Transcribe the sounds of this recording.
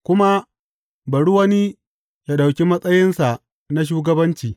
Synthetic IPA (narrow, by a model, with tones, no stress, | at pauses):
kʷʊ˦ma˦ | bɐ˨ɽu˦wɐ˦ni˦ | ja˦ɗa˨wkʲi˦mɐ˦sʼɐ˦jɪ˦nsa˨ | na˦ʃ̬uː˦ɡɐ˦bɐ˦nt͡ʃiː˨